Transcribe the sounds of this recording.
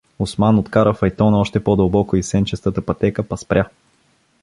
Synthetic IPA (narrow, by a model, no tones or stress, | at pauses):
ʊsmanot̪kaɾəfɐjt̪ɔnɔʃt̪ɛpɔd̪ɐlˠbɔkoisɛnt͡ʃɛst̪ət̪əpɐt̪ɛkəpɐspɾʲja